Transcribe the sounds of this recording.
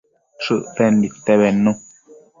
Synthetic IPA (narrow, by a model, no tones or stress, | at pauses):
ʃɨʔtɛn̩dit̪ɛβɛnõ